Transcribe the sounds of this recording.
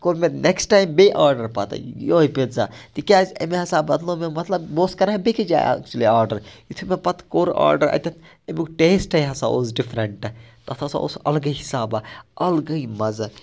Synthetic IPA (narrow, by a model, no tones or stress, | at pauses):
koːɾmenʔeksʈaːjmbeʔaːɾɖɐɾpɐt̪joipet̪za̰ːt̪ikʲaːzḛmeɦɐsabɐd̪lõmemɐt̪lɐbboːskɐɾaɦẽbekid͡ʒa̰ja̰k̚t͡ʃuliaːɾɖɐɾjit̪ʰumepɐt̪koːɾa̰ːɾɖɐɾɐ̰t̪ʰʲɐt̪ʰ | emikʈeːsʈɐjɦɐsaʔozɖipʰɾɐɳʈt̪ɐt̪ʰɐsã̰o̰sɐlɡəjɦisaːbaɐlɡɐimɐz